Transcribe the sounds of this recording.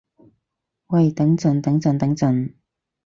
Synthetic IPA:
wɐ˨˩jt̪ɐ˨˥ŋt͡sɵ˨nt̪ɐ˨˥ŋt͡sɵ˨nt̪ɐ˨˥ŋt͡sɵ˨n

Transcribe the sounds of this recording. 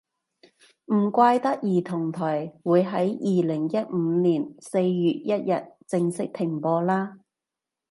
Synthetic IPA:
m̩˨˩kʷaː˧jt̪ɐ˥k̚jiː˨˩t̪ʰʊ˨˩ŋt̪ʰɔː˨˩jwuː˨˧jɦɐ˨˥jjiː˧lɪ˨˩ŋjɐ˥t̚m̩ː˨˧˦niː˨˩nse˧jjyː˨t̚jɐ˥t̚jɐ˨t̚t͡sɪ˧ŋsɪ˥k̚t̪ʰɪ˨˩ŋpɔː˧laː˥

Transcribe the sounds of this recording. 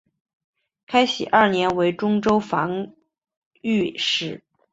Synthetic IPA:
kʰa˥ɪɕḭ˨˩ʔɐ˞˥˩njɛ˧˥nwe˧˥ɪʈ͡ʂʊ˥ŋʈ͡ʂo˥ʊfɑ˧˥ŋ | y˥˧ʂɻ̩˥˩

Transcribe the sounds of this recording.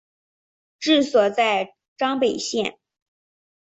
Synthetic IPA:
ʈ͡ʂɻ̩˥˩swɔ˨˩t͡sa˥˧ɪ | ʈ͡ʂɑ˥ŋpe˨˩ɪɕjɛ˥˩n

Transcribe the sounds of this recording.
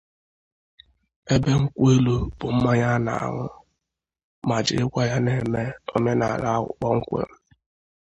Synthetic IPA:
e˦be˦ŋ̩˦kʷe˦lu˦b̥ʊ˨m̩˦ma˦ɲa˦na̰˨a̰˨ŋʊ˦ | ma˨d͡ʒɪ̰˨ɪ˦kʷa˦ja˦ne˨me˦o̰˦me˦na˨ɾa˦ʊ̰˨k͡pɔ˦ŋ̩˦kʷḛ˦m̩˦

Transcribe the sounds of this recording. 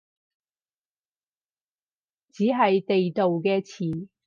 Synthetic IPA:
t͡siː˨˥ɦɐ˨jt̪e˨jt̪o˨wkɛː˧t͡sʰiː˨˩

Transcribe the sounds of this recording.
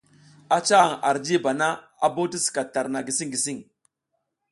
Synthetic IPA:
a˦t͡ʃa˦a˨ŋa̰˨ɾd͡ʒi˦ba˨na˦ | a˨bo˦ti˦si̥˨ka˨ta˨ɾna˨ɡi˨si˦ŋɡi˨si˦ŋ

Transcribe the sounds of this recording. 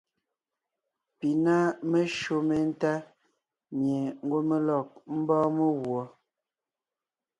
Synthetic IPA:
pi˨na˦me˦ʃo˨me˨n̩˦ta˦ | mje˨ŋ̩˦ɡwo˦me˦lɔ˨k̚m̩˦bɔ̃ː˦me˦ɣwɔ˨˦

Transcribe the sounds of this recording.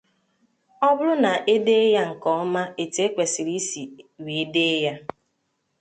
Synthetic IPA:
ɔ˦bʊ˦lʊ˦na˨ʔe˦de˦e˦ja˦ŋ̩˨kɔ˨ɔ˦ma˦e˨te˦kʷe˨si˨ɾi˦si˨wi˨e˦de˦ja˦

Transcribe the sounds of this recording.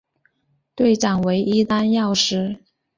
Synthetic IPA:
t̪we˥˩ɪʈ͡ʂɑ˨˩ŋwe˧˥ɪʔi˥t̪a˥njɑ˥˩ʊʂɻ̩˥

